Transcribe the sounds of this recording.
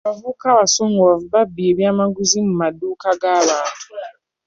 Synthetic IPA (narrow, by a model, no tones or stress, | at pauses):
avukawasuŋavubabieβiamaɡuzimumaduːkaɡaːβaːntʰu̥